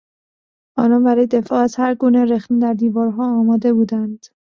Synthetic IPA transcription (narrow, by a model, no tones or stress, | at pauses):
ʔɒːnɒːnbæɾɒːjed̪e̞fɒːæzhæɾɡuːne̞ɾexnid̪æɾd̪iːvɒːɾɦɒːmɒːd̪e̞buːd̪ænd̪̥